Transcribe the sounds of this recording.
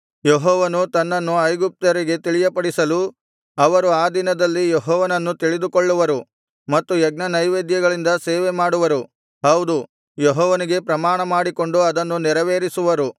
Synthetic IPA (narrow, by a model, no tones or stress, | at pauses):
jeɦɔːʋɐnut̪ɐnːɐnːuɐjɡup̚t̪ɐɾiɡe̞t̪iɭijɐpɐɽisɐlu | ɐʋɐɾuaːd̪inɐd̪ɐlːijeɦɔːʋɐnɐnːut̪iɭid̪ukoɭːuʋɐɾu | mɐt̪ːujɛɡnɐnɐjʋeːd̪jɐɡɐɭind̪ɐseːʋemaːɽuʋɐɾu | ɦɐwd̪u | jeɦɔːʋɐniɡe̞pɾɐmaːɳɐmaːɽiko̞ɳɖuɐd̪ɐnːuniɾɐʋeːɾisuʋɐɾu